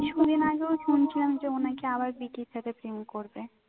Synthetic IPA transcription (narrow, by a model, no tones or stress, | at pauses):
ʃud̪ʱinaɡeoʃunt͡ɕʰilamd͡ʑeonakeaβaɾbiʈiɾt̪ʰat̪ʰepɾimkoɾbe